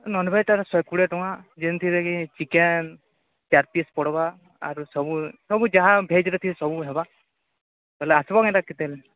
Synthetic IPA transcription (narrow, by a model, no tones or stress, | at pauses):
nɔnbʱeʈaɾsekuɭeʈɔ̃wad͡ʒent̪ʰiɾekit͡ʃiken | t͡ʃaɾpiespɔɽɔba̰ː | ɾusɔbusɔbud͡ʒaɦãbʱed͡ʒɾet̪ʰiɾesɔbuɦeba | keleasbakãɾakːit̪ele